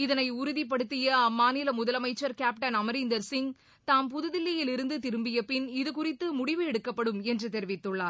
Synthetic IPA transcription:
ɪðɐnɐɪʊɾʊðip̬ːɐɽɯt̪ːɪjɐɐmːaːnɪlɐmʊðɐlɐmɐɪt͡ʃːɐɾkaːp̚ʈɐnɐmɐɾɪnd̪ɐɾsɪŋ | t̪aːmpʊðɯðɪlːɪjɪlɪɾɯnd̪ɯt̪ɪɾɯmbɪjɐpːɪnɪðɯkʊrɪt̪ːɯmʊɽɪʋɯɛɽɯkːɐpːɐɽɯmɛndrɯt̪ɛɾɪʋɪt̪ːɯɭːaːɾ

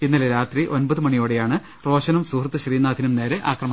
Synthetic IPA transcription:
inːɐleɾaːt̪riʔo̞nbɐðɨmɐɳijo̞ːɽejaːɳɨ | ro̞ːɕɐnɐmsuːkrɐt̪ːɨɕriːnaːd̪ʱinumne̞ːɾeʔa̰ːkrɐmɐ

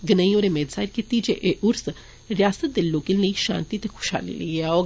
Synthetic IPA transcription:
ɡənəĩoːɾemeːd̪zaːɪɾkit̪id͡ʒḛʔeʔʊɾs | ɾɪjaːsət̪̚d̪elːoːkɪnləiʃã̰ːnt̪it̪ekʰʊ̥ʃa̰ːlḭlə̰iɛoː

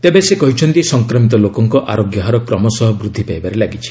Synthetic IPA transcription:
t̪ebesekɔɦit͡ʃʰɔnt̪isɔŋkɾɔmit̪̬ɔlokɔŋkɔʔaɾoɡjɔɦaɾɔkɾɔmɔsɔɦɔbɾud̪ʱːipajbaɾelaɡit͡ʃʰi̥

